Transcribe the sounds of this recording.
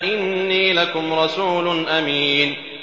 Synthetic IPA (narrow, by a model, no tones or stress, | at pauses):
ʔɪnːiːlakʊmɾˤɑsuːlʊnʔamiːn